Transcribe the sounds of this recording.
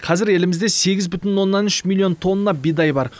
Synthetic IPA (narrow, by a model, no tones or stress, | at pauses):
qʰɑzɪɾe̞lɪmɪzd̪e̞se̞ɡʲɪzbʏt̪ɪnwo̞nːɑnʏʃmʲilʲˠːio̞nt̪ʰo̞nːɑbid̪ɑjbɑɾ